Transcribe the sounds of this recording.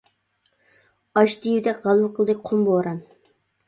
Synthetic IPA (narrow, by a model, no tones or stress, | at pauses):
ɑʃd̪ijwɪd̪ɛkʲʁɑlˠwʊqʰəlˠd̪ɨk̚ʲqʰomboːɾɑn